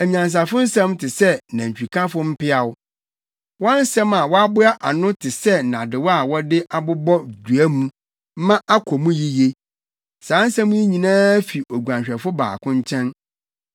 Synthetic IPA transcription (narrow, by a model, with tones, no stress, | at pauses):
ɛ˨ɲ˨ã˨n˨s̬a˨fʊ˦n̩˦sã˦mtʰɪ˨sɛ˦nã˨ɲ̩˨t͡ɕᶣu˨kʰã˦fʊ˦m̩˦pɪ˦a˨wʊ˦ | wɔ̃˦n̩˦sɛ̃˦ma˨wɔ˦a˦bʊ˦a˦ʔa˨nʊ̃˦tʰɪ˨sɛ˦˨nã˨dɪ˨wɔ˦a˨wɔ˦dɪ˦ʔa˦bʊ˦bɔ˦du˨æ˦mũ˦ | m˦mã˦ʔa˦kʰɔ˨mũ˦ji˦je˦ | sãː˨˦n̩˦sã˦mũ˦e˦ɲĩ˨nãː˦fi˨ʔo˨ɡʷã˨ɕᶣɛ˨fʊ˦ba̰ː˨kʰʊ̃˦ɲ˦t͡ɕʰɛ̃˦n